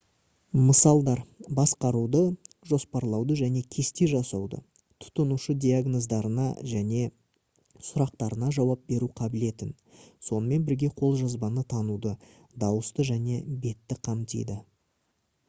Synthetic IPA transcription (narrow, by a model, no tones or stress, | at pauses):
məsɑlˠd̪ɑɾbɑsqɑɾud̪ə | ʒo̞spɑɾlˠɑwd̪əʒæne̞kʲʰe̞st̪eʒɑsɑwd̪ə̰ | t̪ʰʊ̥t̪ənuʃəd̪ʲijaɡno̞zd̪ɑɾənɑ̰ʒæne̞ | sʊɾɑq̚t̪ɑɾənɑʒɑwɑp̚be̞ɾuqʰɑbɪle̞t̪ɪn | so̞nəme̞nbɪɾɡʲe̞qʰo̞lˠʒɑzbɑnət̪ʰɑnud̪ə | d̪ɑwəst̪əʒæne̞be̞t̪ːɪqʰɑmt̪ḭjd̪ɪ